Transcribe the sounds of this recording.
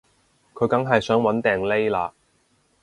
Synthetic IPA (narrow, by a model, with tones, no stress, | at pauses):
kʰɵ˨˧ɥkɐ˨˥ŋɦɐ˨jsœː˨˥ŋwɐ˨˥nt̪ɛː˨˩ŋle˥jlaː˧